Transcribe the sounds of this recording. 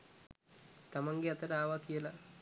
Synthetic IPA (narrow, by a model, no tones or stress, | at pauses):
t̪amaŋɡeat̪əɾaːʋakijəla